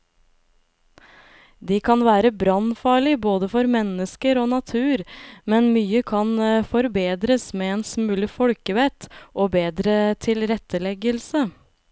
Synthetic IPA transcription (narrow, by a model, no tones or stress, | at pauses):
d̪iːkʰɑnʋæːɾəbɾɑnfɑːɭɪboːd̪əfɔɾmɛnəskəɾoːnɑt̪ʰʉːɾmɛnmyːəkʰɑnfɔɾbeːd̪ɾəsmeːeːnsmʉːlɪfɔlkəʋɛt̪ʔoːbeːd̪ɾət̪ʰɪlɾɛt̪ːəlɛɡəlsə